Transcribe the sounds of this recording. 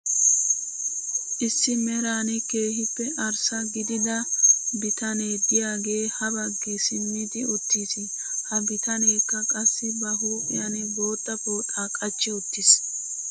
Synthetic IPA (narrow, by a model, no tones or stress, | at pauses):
ʔɪsːɪmɛɾaːnɛke̞ːhɪpːɛʔɐɾsɐɡɪd̪ɪd̪ɐbɪt̪ɐne̞ːd̪ɪjaːɡe̞ːhɐbɐɡːɪsɪmːɪd̪ɪʊt̪ːiːsɪ | hɐbɪt̪ɐneːkːɐkʼɐsːɪbɐɦuːʔʼɪ̰jɐnɛbo̞ːt̪ːɐpoːt̪ʼaːkʼɐt͡ʃːɪʊt̪ːɪs